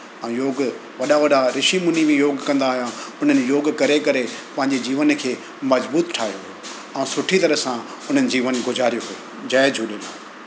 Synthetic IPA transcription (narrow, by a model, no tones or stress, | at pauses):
ɛ̃joːɡ | ʋɐɗaʋɐɗaɾɪʃimʊnibĩjoːɡkɐ̃nd̪aːɦijãʊn̤ənɪ̆joːɡkɐɾekɐɾepɐ̃ɦɪ̃ɲd͡ʑed͡ʑiːʋənkʰeː | mɐzbuːt̪ʈʰaːɦijoɦjo | ɛ̃ːsʊʈʰit̪ɐɾəɦsã | ʊn̤ənɪ̆d͡ʑiːʋənɡʊzaːɾijoɦuo | d͡ʑaːjd͡ʑʱuːɗɪlaː